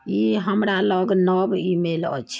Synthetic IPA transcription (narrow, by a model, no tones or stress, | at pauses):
iɦəmɾaləɡnəbimelə̰t͡ʃʰ